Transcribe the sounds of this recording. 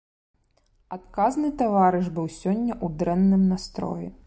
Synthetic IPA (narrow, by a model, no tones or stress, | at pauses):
at̪̚kaznɨt̪avaɾɨʐbɨwsʲɔnʲːɐʔud̪ɾɛnːɨmnast̪ɾɔ̰ji